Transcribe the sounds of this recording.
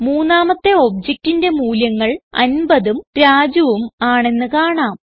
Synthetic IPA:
muːnːaːmɐt̪ːe̞o̞b̚d͡ʑek̚tinde̞muːljɐŋːɐɭɐ̰nbɐðumɾaːd͡ʑuʋumaːɳe̞nːɨkaːɳaːm

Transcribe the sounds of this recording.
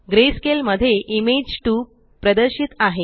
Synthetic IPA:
ɡɾeskelməd̪ʱːjeʔimed͡ʑʈuː | pɾəd̪əɾɕit̪aɦe

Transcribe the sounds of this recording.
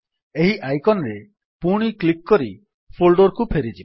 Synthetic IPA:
eɦiʔajkɔnɔɾe | puɽ̃iklikːɔɾi | pʰolɖoɾkupʰeɾid͡ʒi

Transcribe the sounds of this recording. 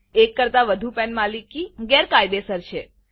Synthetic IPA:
ekːəɾt̪aʋəd̪ʱupɛnmalikːiɡɛɾkajd̪esəɾʃʰe

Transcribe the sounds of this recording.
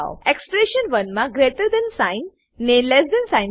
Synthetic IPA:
wekspɾeʃənʋənmaɡɾeʈəɾd̪ɛ̃nsãɪnː | ẽlɛsd̪ɛ̃nsãj

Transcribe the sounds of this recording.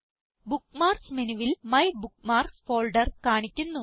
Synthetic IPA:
bukmaːrsmenuʋilmɐjbukmaːrsfoːlɖɐrkaːɳikʲːunːu

